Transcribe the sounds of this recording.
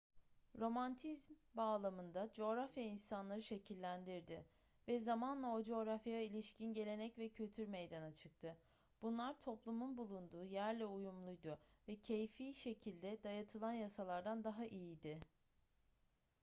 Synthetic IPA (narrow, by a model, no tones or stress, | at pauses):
ɾo̞mant̪ʰizmbaːlˠamɯnd̪ad͡ʒo̞ːɾafjainsanlˠaɾɯʃe̞cʰilʲːænd̪iɾd̪ɪ | vɛzamanlˠaod͡ʒo̞ːɾafjailʲiʃcʰinɟe̞lʲe̞nɛcvɛcʰylʲt̪ʰyɾme̞jd̪anat͡ʃʰɯk̚t̪ʰɯ | b̥unlˠaɾt̪ʰo̞plˠumunbulˠund̪uːjæɾlʲɛujumlˠujd̪ʊvɛcʰejfiːʃe̞cʰilʲd̪ɛd̪ajat̪ʰɯlˠanjasalˠaɾd̪and̪aɦaʔijid̪ɪ